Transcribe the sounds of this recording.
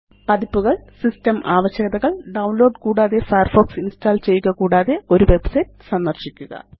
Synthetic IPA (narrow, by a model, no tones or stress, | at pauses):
pɐd̪ipːuɣɐɭsistɐmaːʋɐɕjɐɡɐðɐɣɐɭɖɐwnlo̞ːɖkuːɽaːðe̞fɐjɐrfo̞ːksinstaːlt͡ɕe̞jːuɣɐkuːɽaːðe̞o̞ɾuʋe̞bsɐjʈsɐnd̪ɐrɕikʲːuɣɐ̰